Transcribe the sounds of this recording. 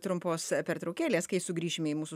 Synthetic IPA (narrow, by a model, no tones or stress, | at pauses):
t̪ɾʊmpoːspʲɛɾt̪ɾɔʊkʲæːlʲeːskɐɪsʊɡɾʲiːʃʲɪmʲɛimuːsʊ